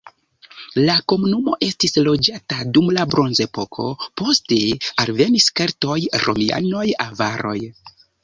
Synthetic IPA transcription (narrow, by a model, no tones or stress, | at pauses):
lako̞munumo̞ʔe̞stislo̞d͡ʒatadumlabɾo̞nze̞po̞kʰo̞̰po̞ste̞alve̞niskeɾto̞jɾʔo̞̰mia̰no̞javaɾo̞̰j